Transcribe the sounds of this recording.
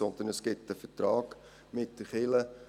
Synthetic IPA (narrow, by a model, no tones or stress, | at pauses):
ɔnd̪ənəsɡ̥ɪtːəfətɾɑːɡ̥ | mɪt̚d̥əχɪlə